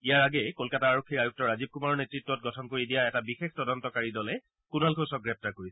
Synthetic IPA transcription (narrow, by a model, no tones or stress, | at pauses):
ijaɹaɡɛkolkataːɹokʰːiɹajuk̚tɔɹazib̚kumaɹɔnetɹitːɔt̚ɡɔtʰɔnkoɹidijaɛtabixextɔdɔntɔkaɹidɔlɛ | kunalɡʰʱosɔk̚ɡɹɛp̚taɹkoɹisɛ̥